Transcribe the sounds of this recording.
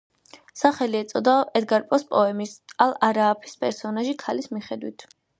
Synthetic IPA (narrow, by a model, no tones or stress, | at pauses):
saχɛliɛt̪sʼɔd̪aɛd̪ɡaɾpʼɔspʼɔɛmisalˠaɾaːpʰi̥spʼɛɾsɔnaʒikʰalismiχɛd̪wit̪ʰ